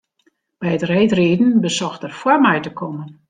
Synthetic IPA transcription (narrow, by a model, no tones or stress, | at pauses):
b̥ɛjətrɛjtreːdn̩bəsɔxtərfwarmɛjtəkʰɔmən